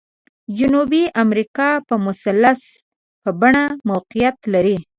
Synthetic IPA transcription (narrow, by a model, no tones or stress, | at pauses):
d͡ʒʊnubiʔamɾikɑpəmʊsalːas | pəbaɳamawqijat̪laɾi